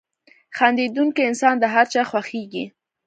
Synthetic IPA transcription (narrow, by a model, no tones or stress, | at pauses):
xɑnd̪ed̪uŋkiɪnsɑnd̪əɦaɾt͡ʃɑxwaxeɡḭ